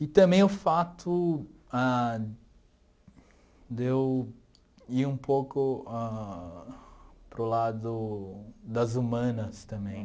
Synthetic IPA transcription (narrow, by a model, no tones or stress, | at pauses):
ɪt̪ɐ̃bẽj̃ʊfat̪ʰʊa | d̪ew | iɾũpowkʊa | pɾʊlad̪ʊ | d̪ɐzumɐ̃nɐst̪ɐ̃mbẽj̃